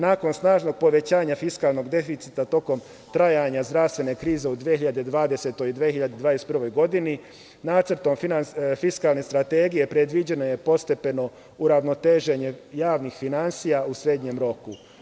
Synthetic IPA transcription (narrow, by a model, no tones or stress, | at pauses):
naːko̞nsnaːʒno̞ɡ̚po̞ʋe̞t͡ɕaːɲafiskaːlˠno̞ɡd̪e̞fit̪sit̪at̪o̞ko̞m | t̪ɾajaɲazd̪ɾavst̪ʋe̞ne̞kɾiːze̞ud̪ʋijexiʎad̪ed̪ʋaːd̪e̞se̞t̪o̞jid̪ʋiehiʎad̪ed̪ʋaːd̪est̪prʋo̞jɡo̞d̪ini | naːt̪sr̩t̪o̞mfinanfiskaːlˠne̞st̪ɾat̪e̞ːɡije̞pɾe̞d̪ʋid͡ʑe̞no̞je̞po̞st̪e̞pe̞no̞ | uɾaʋno̞t̪e̞ːʒe̞ɲe̞jaːʋnixfinansijausɾeːd̪ɲe̞mɾo̞ku